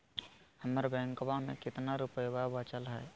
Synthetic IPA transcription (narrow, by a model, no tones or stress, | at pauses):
həməɾbɛ̃ːŋkbamḛ̃kɪt̪naɾʊpəjbabat͡ʃəlɦɛː